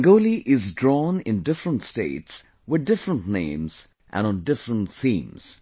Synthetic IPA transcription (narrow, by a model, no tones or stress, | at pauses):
ɡoːliʔɪzdɹɔnɪ̰̃ndɪfɾə̃ntstḛɪts | wɨðdɪfɾə̃ntnḛ̃ɪ̃mz̥ | ʔæ̰̃nə̃ndɪfɾə̃ntθĩːmz̥